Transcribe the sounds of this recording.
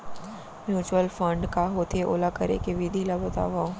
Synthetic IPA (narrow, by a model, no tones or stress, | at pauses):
mjuːt͡ʃwəlfə̃ɳɖkaɦot̪ʰeʔo̰ːlakɐɾḛkeʋid̪ʱilɐbʱot̪a̰ːʋã